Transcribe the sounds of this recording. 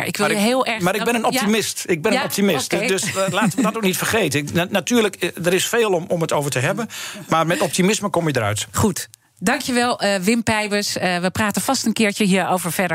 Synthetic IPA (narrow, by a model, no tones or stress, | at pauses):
ɪkʋɪjəɦɪːlˠɛɹaɾɪkbɪnənɔptimɪstɪɡ̚bɪnənɔp̚timɪstdøslaːtəʋədɔtok̚nitfərχejtənatyːləkdəɾɪsfeːlˠɔmɔmətoːvəɹtəɦɛbənmaːrmɛtɔp̚timɪsməkɔmjədərœ̰ɥtχut | dɑŋkjəʋɛlˠʋɪmpɛjbəsəʋəpraːtənfɑstənkɪːɹt͡ʃəɦiəɹowvəɹfɛdə